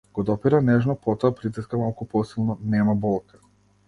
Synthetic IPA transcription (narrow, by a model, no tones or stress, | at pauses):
ɡ̥ɔd̪ɔpiɾanɛʒnɔpɔt̪ɔapɾit̪̬iskamalˠkupɔsilˠnɔnɛmabɔlˠkḁ